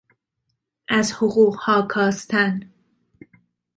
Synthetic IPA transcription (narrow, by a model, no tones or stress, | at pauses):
ʔæzhoɢuːɢhɒːkʰɒːst̪ʰæn